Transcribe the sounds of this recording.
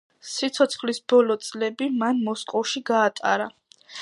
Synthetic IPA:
sit̪sʰɔt̪sʰχlisb̥ɔlɔt̪sʼlɛbimanmɔskʼɔlʃiɡaːt̪ʼa̰ɾa

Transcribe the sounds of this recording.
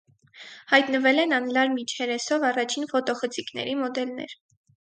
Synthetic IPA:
hɑjt̪nəvɛlɛnɑnlɑɾmit͡ʃʰhɛɾɛsɔvɑrɑt͡ʃʰinfɔt̪ɔχət͡sʰiknɛ̰ɾimɔd̪ɛlnɛ̰ɾ

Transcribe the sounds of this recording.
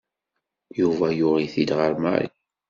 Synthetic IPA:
juvæjʊʁiθid̪ʁəɾma̰ɾḭ

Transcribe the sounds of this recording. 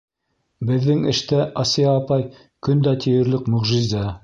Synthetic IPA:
bɘ̆ðːɘŋɘ̆ʃt̪æʔɑsijɑːpɑj | kɵnd̪æt̪ʰĭjɘ̆ɾlɘkmɵ̆ʁʒizɑ

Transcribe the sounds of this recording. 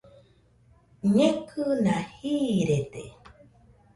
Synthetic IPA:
ɲẽkʰɯnahiːɾet̪ḛ

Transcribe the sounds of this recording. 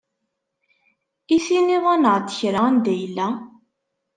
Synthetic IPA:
isiniðˤanəʁt̪ːə̥çɾaænd̪æjəlːæ

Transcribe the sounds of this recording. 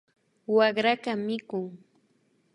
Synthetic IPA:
waɢɾakamɪkʊŋ

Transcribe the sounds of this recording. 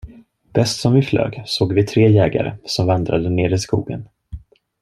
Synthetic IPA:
b̥ɛst̪sɔmvɪflø̰ːɡsoːɡvɪt̪ʰɾeːjɛːɡa̰ɾə̰sɔmvand̪ɾad̪əneːɾɪskṵːɡə̰n

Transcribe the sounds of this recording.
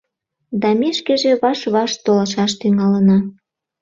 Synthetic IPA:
d̪ɑmeʃkeʒĕβɑʃβɑʃt̪olɑʃɑʃt̪yŋɑlənɑ

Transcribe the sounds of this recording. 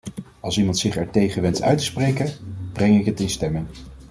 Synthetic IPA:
ɑlˠsimɑntsɪχɛɹtejχənʋɛntœ̰ɥtə̥sprejkənb̥rɛŋɪkɦətɪnstɛmɪŋ

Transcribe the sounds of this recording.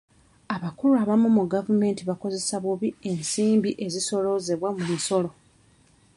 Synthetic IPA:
aβakuluaβamumuɡavume̞ːntiβako̞ze̞saβuβie̞nsiːmbiʔe̞ziso̞lo̞ze̞βwamumiso̞lo̞

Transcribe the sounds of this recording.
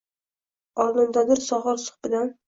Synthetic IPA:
ɒlˠnɪnd̪ad̪ɪɾsɒʁɨɾsʊ̥χbɪd̪an

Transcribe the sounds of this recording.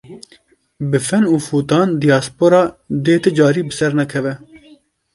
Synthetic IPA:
bɨfɛnuːfuːt̪ɑːnd̪ijɑːspoːɾɑːd̪eːt̪ɨd͡ʒɑːɾiːbɨsɛɾnɛkʰɛvɛ

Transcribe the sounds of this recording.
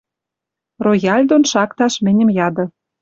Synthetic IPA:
rojɑlʲd̪onʃɑkt̪ɑʃmɘ̆nʲə̆mjɑd̪ɤ̆

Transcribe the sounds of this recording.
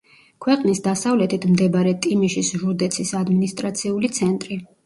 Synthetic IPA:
kʰwɛqʼnisd̪asavlɛt̪ʰit̪ʰmd̪ɛbaɾɛt̪ʼimiʃisʒuɾd̪ɛt̪sʰisad̪minist̪ʼɾat̪sʰiulit̪sʰɛnt̪ʼɾi

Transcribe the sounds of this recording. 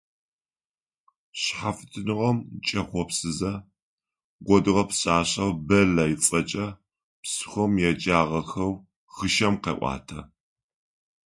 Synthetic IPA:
ɕħafɨ̥tʰɨnɨʁɐmt͡ʃʼɐχʷɔpsɨzɐ | ɡʷɔdɨʁɐpɕaːɕɐwbɐlɐjɪt͡sʼɐt͡ʃʼɐ | psɨ̥xʷɔmjɛd͡ʒʼaːʁɐxɐw | xɨʃɐmqḛːʔʷʼɑ̰ːtʰɐ̰

